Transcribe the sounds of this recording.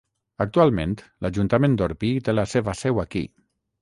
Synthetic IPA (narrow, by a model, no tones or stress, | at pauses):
ak̚t̪ualˠmḛ̃nt̪ | laʒunt̪amẽnd̪oɾpit̪elaseβəsɛwakḭ